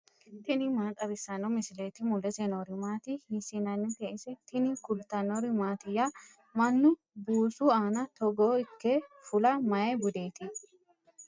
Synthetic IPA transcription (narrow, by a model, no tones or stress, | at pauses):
t̪ɪnɪmaːt̪ʼɐβɪsːɐnɔmɪsɪleːt̪ɪmʊlɛsɛnɔɾɪmaːt̪ɪhɪsɪnɐnːɪt̪eʔɪsɛt̪ɪnɪkʊlt̪ɐnɔɾɪmaːt̪ɪjːa | mɐnːʊ | buːsuaːnɐt̪ɔɡoːɪkːefʊlɐmɐjebʊd̪eːt̪ɪ